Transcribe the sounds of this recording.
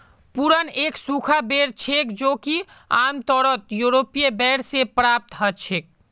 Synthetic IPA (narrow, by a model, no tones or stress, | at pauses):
puɾəneːksukʰabeɾt͡ʃʰekd͡ʒoːki | a̰ːmt̪ɔɾət̪juɾoːpijebɛːɽsepɾaːp̚t̪ɦət͡ʃʰeːk̚